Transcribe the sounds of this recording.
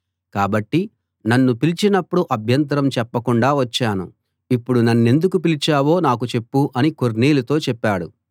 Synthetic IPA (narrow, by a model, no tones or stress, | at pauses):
kaːbɐʈːi | nɐnːupilit͡ʃinɐpːuɽuʔɐbʱjɐnt̪̬ɐɾɐmt͡ʃɛpːɐkuɳɖaːʋɐt͡ʃːaːnṵ | ipːuɽunɐnːe̞nd̪ukupilit͡ʃaːwo̞ːnaːkut͡ʃe̞pːuʔɐnikoɾniːlɐt̪o̞ːt͡ʃɛpːaːɽu